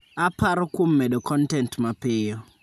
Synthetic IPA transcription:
apaɾɔkomːɛɗokʰɔntɛntmapɪjɔ

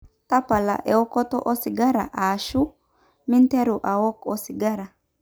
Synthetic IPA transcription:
t̪ɐpːɐla̰ʔɛwɔkːɔt̪ɔ̰ʔɔsɪɡɐɾɐ̰ʔaːʃʊ | mɪnt̪ɛɾʊʔawɔkɔsɪɡɐɾɐ

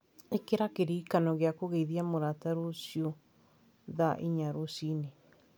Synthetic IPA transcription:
ekeɾakeɾikanɔɣeakoɣeiðiamoɾataɾosijo | ðaʔiɲaɾosine

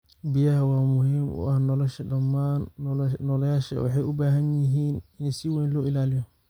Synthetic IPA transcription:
bɪjɐhɐwaːmʊhɪmʊ̰ʔahnɔlɔʃɛdɐmːaːnːnɔlɛjaːʃɛ̰wɐ̰ħɛʊbaːɦɐ̃ɲjɪɦiːnɪnsiwɛ̃ːnlɔːɪlaːlɪjɔ

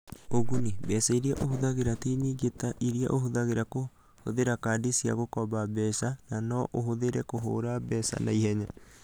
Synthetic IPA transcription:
oɣunibɛːsaiɾiaʔohoðaɣeɾatiniɡetaʔiɾia̰ʔohoðaɣeɾako | hoðeɾakaːdisia̰ɣokɔβabɛːsananɔʔoɦoðeɾɛkoɦo̰ːɾabɛsa̰naihɛɲa

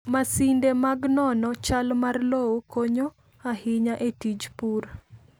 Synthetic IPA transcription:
masindemaɡnɔnɔt͡ʃalmarlowokoɲo | ahɪɲaʔetid͡ʒpur

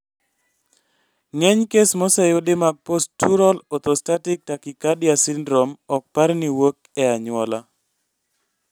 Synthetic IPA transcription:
ŋɛɲkesmɔsajodemaɡ̚postːuɾɔlɔt̪ostatɪk̚takikadjasɪndɾomɔk̚paɾniwok̚ | ɛaɲwɔla

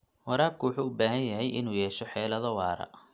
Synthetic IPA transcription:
wɑɾaːb̚kʰʊwʊħuːʊbaːɦɐnjɐɦɛjʔɪnuːjɛːʃɔħɛːlɐðɔwɑːɾɐ̰

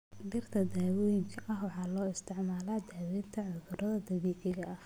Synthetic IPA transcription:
ɖɪrt̪ʰɐd̪aːwɔːjɪŋkʰɐʔɐhwɑħɑːlɔːɪst̪ʰɪʕmaːlaːd̪aːwɛːnt̪ʰɐʕʊðʊɾɐðɐd̪ɐβiːqɪɣɐʔɐh

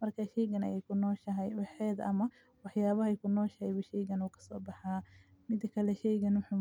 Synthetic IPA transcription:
mɐrkʰaʃɛjɣɐnɐ̰jɛjkʰʊnɔːʃɐɦɛjwɑħɛːd̪ʔɐ̰mɐ | wɑħjaːβɐhɐjkʰʊnɔːʃɐhɛjβɐʃɛjɣɐnuːkʰɐ̥sɔːbɑħɑː | mɪd̪ɐkʰɐlɛʃɛjɣɐnwʊħu

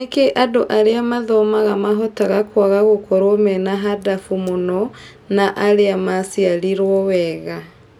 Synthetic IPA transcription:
ekeʔadoʔaɾeamaðɔmaɣamaɦɔtaɣakwaɣaɣokɔɾomɛnaɦadafumonɔ | naʔaɾeamasialiɾwɔwɛɣa

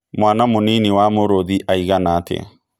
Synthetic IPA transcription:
mwaːnamoniniwamoɾoðiʔaiɣanaːtɛ̰

